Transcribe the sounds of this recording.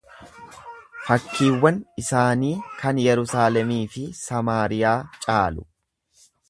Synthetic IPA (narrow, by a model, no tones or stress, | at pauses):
fɐkːiːwːɐnɪsaːniːkɐnjɛɾʊsaːlɛmiːfɪsɐmaːɾɪjaːt͡ʃʼaːlʊ